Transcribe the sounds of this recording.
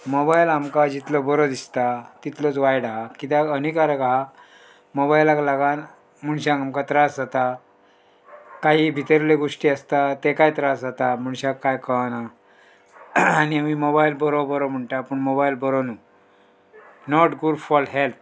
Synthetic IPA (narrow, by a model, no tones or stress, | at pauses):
mobajlamkad͡ʑit̪lɔbəɾɔd̪ist̪at̪it̪lət͡sʋajɽaɦakit̪̬aənikaɾəkaɦa | mobajlaklaɡan | m̤uɽɕãŋkamkat̪ɾasd͡zat̪a | kaɦibʱit̪əɾleɡoʂʈiːəst̪at̪ekajt̪ɾasd͡zat̪amuɳ̃ɕãkːajkəna | aniamimobajlbəɾobəɾɔm̤əɳʈapəɳmobailbəɾonu | nɔʈɡuɽfɔlɦelp̪̚ʰ